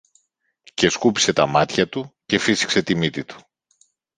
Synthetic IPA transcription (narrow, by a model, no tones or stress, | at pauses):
ce̞skupi̥se̞t̪ɐmɐt̪çɐt̪uce̞fisi̥kse̞t̪imit̪it̪u̥